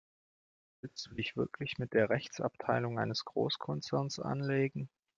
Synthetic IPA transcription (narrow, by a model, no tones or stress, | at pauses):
ɪd̥ɪçv̥ɪɐkʰlɪçmɪt̚d̥eːɐʁɛçt͡sa̰ptʰaɪlʊŋʔaɪnəsɡ̥ʁo̰ːskʰɔnt͡sɛɐnsʔa̰nleːɡŋ̩